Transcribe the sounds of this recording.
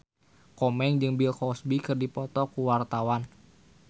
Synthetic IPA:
kɔmɛŋd͡ʒɨŋbilkɔsbikɨrdipɔt̪ɔkuwart̪awan

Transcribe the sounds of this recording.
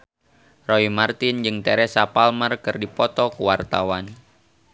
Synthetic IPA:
roimart̪ɪnd͡ʒɨŋt̪ɛɾɛsapalmərkɨrdipɔt̪ɔkuwart̪awan

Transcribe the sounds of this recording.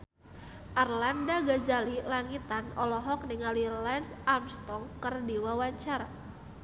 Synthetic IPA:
ʔarlandaɡazalilaŋit̪anɔlɔɦɔk̚nɪŋalilansamst̪ɔŋkərdiwawaɲt͡ʃaɾa

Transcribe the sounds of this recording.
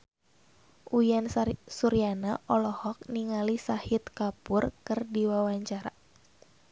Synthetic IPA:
ʔujansuɾianaʔɔlɔhɔk̚niŋalisahit̪̚kapʊrkɨrdiwawaɲt͡ʃaɾa̰

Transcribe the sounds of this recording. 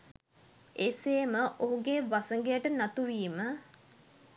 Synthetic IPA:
eːseːməʔoɦuɡeːʋasəŋɡejəʈənat̪uʋiːmə

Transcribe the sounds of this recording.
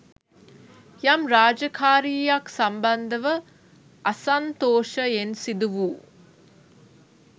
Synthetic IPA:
jamɾaːd͡ʒɐkʰaːɾiːjaksɐmbɐnd̪əʋə | ʔɐsant̪oːʃəensid̪uʋuː

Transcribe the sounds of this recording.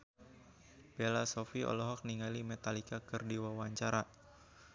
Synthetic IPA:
belasɔfiʔɔ̰lɔɦɔk̚niŋalimɛt̪alikakərdiwawaɲt͡ʃaɾa

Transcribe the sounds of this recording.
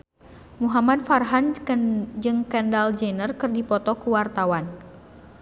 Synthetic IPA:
muɦamad̚farɦan | d͡ʒɨŋkɛndald͡ʒɛnərkɨrdipɔt̪ɔkuwart̪awan

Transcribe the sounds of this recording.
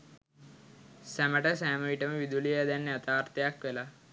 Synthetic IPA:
sæməʈəsæːməʋiʈəməʋid̪ulijəd̪ænːeat̪aːɾt̪ejakʋela

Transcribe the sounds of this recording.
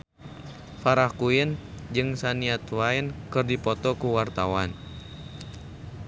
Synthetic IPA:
faɾahkuind͡ʒɨŋsaniat̪wainkɨrdipɔt̪ɔkuwart̪awan

